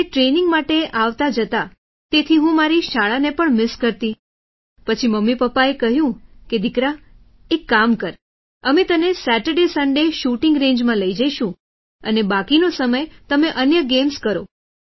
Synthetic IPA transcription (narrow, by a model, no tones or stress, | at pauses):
eʈɾenɪ̃ŋɡmaʈeʔaʋt̪ad͡ʒət̪a | t̪et̪ʰiɦũmaɾiʃaɭanepəɳmɪskəɾt̪i | pət͡ʃʰiməmːipəpːaekəɦjũked̪ʱɪkɾa | ekːamkəɾ | əmet̪ənesæʈəɾɖesə̃ɳɖeʃuʈɪŋɡɾẽnd͡ʒmãləid͡ʒəiʃũ | ənebakinosəməjt̪əmeʔənjəɡemskəɾo